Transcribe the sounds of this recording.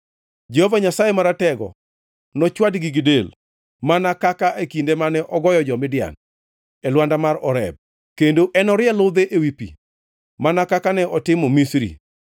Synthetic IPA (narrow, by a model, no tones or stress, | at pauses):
d͡ʒehovaɲasajemaɾatɛɡɔ̰ | nɔt͡ʃwadɡiɡɪdel | manakakaʔekindemanɛʔɔɡɔjɔd͡ʒɔmɪdɪja̰n | ɛlwandamaɾɔɾɛ̰b̚ | kendoʔɛnɔɾɪɛlʊd̪eʔewipḭ | manakakanɛʔɔtɪmɔmisɾḭ